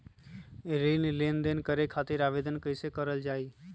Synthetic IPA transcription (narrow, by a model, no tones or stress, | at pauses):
ɾiːnileːnd̪enkəɾekʰaːt̪ɪɾaːʋeːd̪ənkəɪsekəɾəld͡ʒaːiː